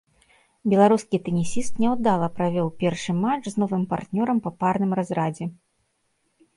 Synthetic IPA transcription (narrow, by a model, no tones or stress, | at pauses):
bʲɛlˠaɾuskʲit̪ɛnʲisʲist̪nʲɛwd̪alˠɐpɾavʲɔwpʲɛrʂɨmat͡ʂznɔvɨmpa̰rt̪nʲɔɾɐmpɐparnɨmrazɾad͡zʲɛ